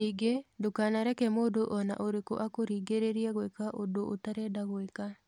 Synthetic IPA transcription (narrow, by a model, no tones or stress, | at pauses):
iɡedokaːnaɾɛkɛmoːdoʔɔna̰ʔoɾeko̰ʔakoɾiːɡeɾeɾiɛɣwekaʔodoʔotaɾɛdaɣweka